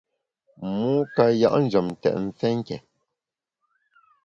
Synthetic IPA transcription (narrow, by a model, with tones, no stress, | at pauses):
mu˦ka˨ja̰˨ʔn̩˦d͡ʒə˨m̩˨tɛ̰˨ʔn̩˨t͡sɛ˦ŋ̩˦kɛ̰˨